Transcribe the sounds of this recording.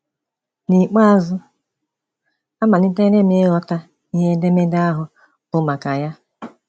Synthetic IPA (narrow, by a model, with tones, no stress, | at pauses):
ni˨k͡pa˦a˦zʊ˦ | a˦ma˨nɪ˦te˦ne˦mɪ˦ɣɔ˦ta˦ | i˦ɦe˦de˦me˦da˦ɦʊ˨ | ʊ˦ma˨ka˨ja˦